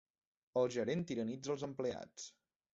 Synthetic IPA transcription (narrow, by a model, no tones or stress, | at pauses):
əlˠʒəɾent̪iɾənid͡zəlˠzəmplea̰t͡s